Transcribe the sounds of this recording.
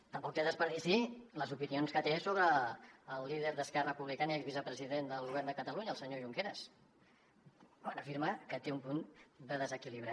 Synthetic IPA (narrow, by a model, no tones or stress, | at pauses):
t̪əmpɔk̚t̪eðəspəɾðisiləzupinionskət̪esoβɾəːlˠːiðəɾðəskɛrəpuβlikanəɛɡzβizəpɾəziðend̪əlˠɣuβɛrnd̪əkət̪əluɲəːəlˠsəɲoʒuŋkeɾəs | kwanəfiɾməkət̪eumpund̪əðəzəkiliβ̞ɾa